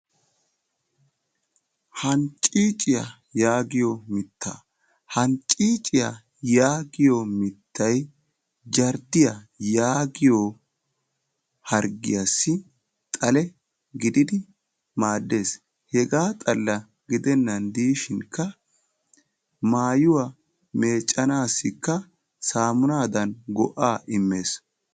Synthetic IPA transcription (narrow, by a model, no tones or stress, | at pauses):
hɐnt͡ʃʼiːt͡ʃʼɪjɐ | jaːɡɪjomɪt̪ːa̰ː | hɐnt͡ʃʼiːt͡ʃʼɪja | jaːɡɪjomɪt̪ːɐj | d͡ʒɐɾd̪ɪjɐ | jaːɡɪjo | hɐɾɡɪ̰jɐsːɪ | t̪ʼɐlɛ | ɡɪd̪ɪd̪ɪ | maːd̪ːe̞ːs | hɛɡaːt̪ʼɐlːɐ | ɡɪd̪ɛnːɐnd̪iːʃɪŋkːɐ | maːjʊwa | me̞ːt͡ʃʼːɐnaːsːɪkːɐ | saːmʊnaːd̪ɐnɡɔʔaːʔɪmːe̞ːs